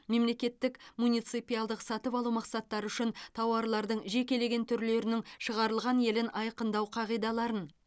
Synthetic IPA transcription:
me̞mle̞kʲe̞t̪ːɪkmunʲijt̪sɨjpijɑlˠd̪əqsɑt̪əpɑlˠumɑqsɑt̪ːɑɾəʏʃɪnt̪ʰɑwɑɾlˠɑɾd̪əɴʒe̞kʲe̞le̞ɡʲe̞nt̪ʰʏɾle̞ɾɪnɪŋʃəʁɑɾəlˠʁɑnje̞lɪnʔɑjqənd̪ɑwqʰɑʁijd̪ɑlˠɑɾən

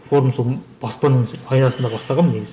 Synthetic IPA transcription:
fo̞ɾumsolˠb̥ɑspɑnəɴɑjnɑsənd̪ɑbɑslˠɑʁɑmne̞ɡʲɪz

